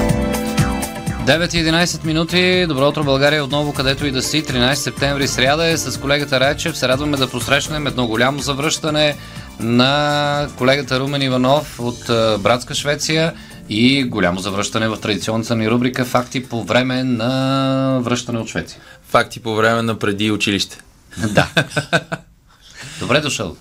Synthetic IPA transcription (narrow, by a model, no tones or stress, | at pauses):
d̪ɛvɛt̪iɛd̪inajsɛt̪minut̪id̪obɾɔʊt̪ɾobɐlˠɡaɾijəot̪nɔvokɐd̪ɛt̪oid̪ɐsit̪ɾinajsi̥sɛp̚t̪ɛɱvɾisɾʲad̪əɛsɐskolɛɡət̪əɾajt͡ʃɛfsɛɾad̪vɐmɛd̪ɐposɾɛʃnɛmɛd̪nɔɡolʲamozɐvɾɤʃt̪ənɛ | nɐkolɛɡət̪əɾumɛnivɐnɔfot̪bɾat̪skəʃvɛt̪sijə | iɡolʲamozɐvɾəʃt̪ɐnɛvɐft̪ɾɐd̪it̪siɔnːət̪əniɾubɾikəfakt̪ipovɾɛmɛnɐ | vɾɤʃt̪ɐnɛot̪ʃvɛ̰t̪sijəfak̚t̪ipovɾɛmɛnɐpɾɛd̪iʊt͡ʃiliʃt̪ɛ̥ | d̪a̰ | d̪obɾɛd̪ʊʃə̰lˠ